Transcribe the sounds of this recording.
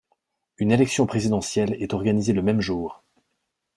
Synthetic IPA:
ynelɛksjɔ̃pχezid̪ɑ̃sjɛlɛt̪ɔʁɡanizeləmɛmʒuːʁ

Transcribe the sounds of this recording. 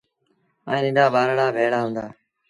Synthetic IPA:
a̰ːĩːnɪ̃nɖaːbaːɾɽaːbʱeːɽaːɦʊ̃ːnd̪aː

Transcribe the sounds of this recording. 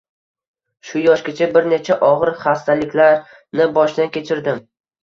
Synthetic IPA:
ʃʊjɒʃkʲat͡ʃʰabɪɾne̞t͡ʃʰaʔɒʁɨɾχast̪ʰalɪkʲlaɾ | nɪbɒʃd̪ankʲe̞t͡ʃʰɪɾd̪ɪm

